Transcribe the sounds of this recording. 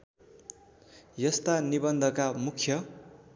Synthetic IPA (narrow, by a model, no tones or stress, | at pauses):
jʌst̪anibʌnd̪ʱʌkamukʰjʌ